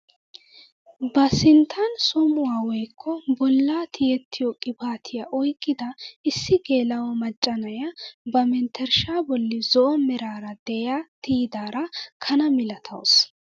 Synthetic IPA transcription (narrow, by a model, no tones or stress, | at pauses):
bɐsɪnt̪ʰɐnsɔmʊwaːwɔjkʰːɔbɔlːaːt̪ʰɪjɛt̪ːɪjɔkʼɪbaːt̪ʰɪjɐʔɔjkʼːɪd̪ɐɪsːɪɡe̞ːlɐwɔmɐt͡ʃʼːɐnɐjɐbɐmɛnt̪ʰːɛɾʃaːbɔlːɪzɔʔɔmɛɾaːɾɐd̪̥ɛjaːt̪ɪjd̪aːɾɐkʰɐnɐmɪlɐt̪ʰɐ̰ws